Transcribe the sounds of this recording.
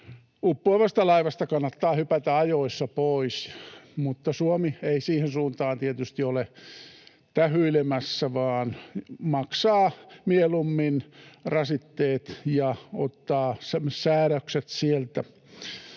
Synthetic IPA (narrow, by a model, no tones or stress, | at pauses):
upːoiʋɑst̪ɑlɑiʋɑst̪ɑkɑnːɑt̪ːɑːhypæt̪æɑjoisːɑpoismut̪ːɑsuomieisiːhensuːnt̪ɑːnt̪iet̪yst̪iole | t̪æhyilemæsːæʋɑːnmɑksɑːmielumːinrɑsit̪ːeːt̪jɑot̪ːɑːsmsæːɾækset̪sielt̪æ